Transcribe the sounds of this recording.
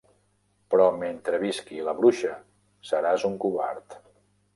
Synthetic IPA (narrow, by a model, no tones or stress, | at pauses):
pɾɔment̪ɾəβiskiləβɾuʃə | səɾazuŋkuβa̰ɾt̪